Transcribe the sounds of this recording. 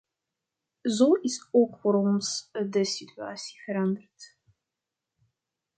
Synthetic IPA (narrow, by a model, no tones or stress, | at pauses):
zoːɪsoːkfoːɾɔnsdəsitya̰ːsi̥vəɾɑndərt